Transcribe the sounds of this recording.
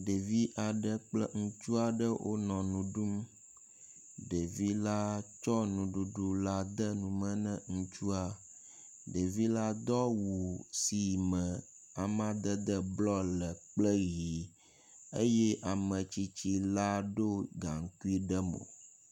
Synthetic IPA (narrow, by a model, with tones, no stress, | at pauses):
ɖe˨vi˦ʔa˨ɖə˦k͡plə̰˦ŋũ˦t͡ʃu˦a˨ɖə˦wʔo̰˦nɔ̃˨nũ˨ɖu˦m | ɖe˨vi˦la˦t͡ʃɔ˦nũ˨ɖu˨ɖu˦la˦d̪ə˦nũ˨mə̃˦nə̃˦ŋũ˦t͡ʃu˦a˦ | ɖe˨vi˦la˦d̪ɔ˦wu˨si˨mə̃˨ | a˨m˦ã˦d̪ə˦d̪ə˦blɔ˦lə˨k͡plə˦ɣi˨ | e˦je˦ʔa˨mə̃˨t͡ʃi˦t͡ɕi˦la˦ɖo˦ɡa˨ŋ̩˦ku˦i˦ɖə˦mo̰˨